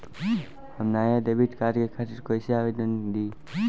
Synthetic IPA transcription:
həmnajad̪ebiʈkaɾkekʰat̪iɾkojsiawed̪ənd̪i

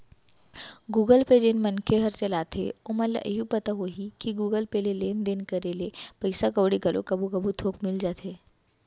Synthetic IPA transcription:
ɡuːɡəlped͡ʒɪnmɐnkʰeɦɐɾt͡ʃɐlaːt̪ʰḛoːmɐla̰ʔɦupɐt̪aɦoɦikiɡuːɡəlpeleleːnd̪enkɐɾelepɐɪsakɐʋɽiɡɐlʔo̰kɐbʱukɐbʱut̪ʰoːkmɪld͡ʒaːt̪ʰeː

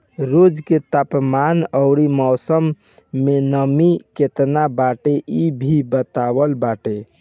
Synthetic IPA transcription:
ɾod͡ʒket̪apmanəʊɽimɔːsəmː | enəmiket̪nabaʈeʔibʱibət̪awəlbaʈe

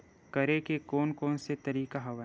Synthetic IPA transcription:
kɐɾekekoːnkoːnset̪ɐɾiːkaɦɐʋa

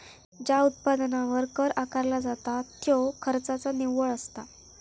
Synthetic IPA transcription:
d͡ʑaut̪̚pad̪naʋəɾkəɾakaɾlad͡zat̪at̪ːjokʰəɾt͡sat͡saniʋəɭəst̪a

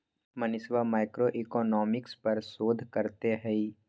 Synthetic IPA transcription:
mɐnɪsʋamaːɪkɾoʔikɔːnɔːmɪkspɐɾsoːd̪ʱkɐɾt̪eɦɛi

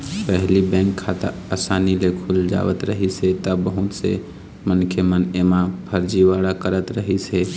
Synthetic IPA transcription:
pɛɦlibɛ̃ːŋkʰːat̪ə̰ | asaːnilekʰuld͡ʒa̰ːʋət̪ɾəɦiset̪əbəɦut̪sḛ | mənkʰemənemapʰəɾd͡ʒiʋaɽakəɾət̪ɾəɦise

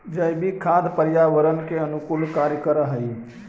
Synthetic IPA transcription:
d͡ʒəjbʱikʰad̪ʱpəɾjaʋəɾənkeənukulkaɾjəkəɾəɦəj

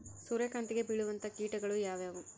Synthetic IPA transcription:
suːɾekaːnt̪iɡe̞biɭuʋɐnt̪ɐkiːʈɐɡɐɭujaːʋeːʋu

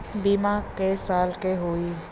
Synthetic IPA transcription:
bimakesaːlkeɦoːi

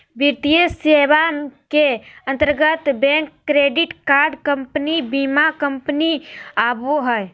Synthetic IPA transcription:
biɾt̪ijəseːʋakeə̃nt̪əɾɡət̪bɛ̃ːŋkːɾeːɖɪʈkaːɾɖkə̃mpənibimakə̃mpniaːboɦɛj

